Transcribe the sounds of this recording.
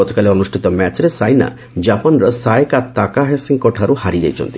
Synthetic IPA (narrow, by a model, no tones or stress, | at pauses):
ɔt̪ɔ̥kaleɔnusʈʰit̪ɔmɛt͡ʃɾesajna̰ | d͡ʒapɔnɾɔsajkat̪akaɦɛsiŋɡkɔʈʰaɾuhaɾid͡ʒa̰jt͡ʃʰɔ̰nt̪i̥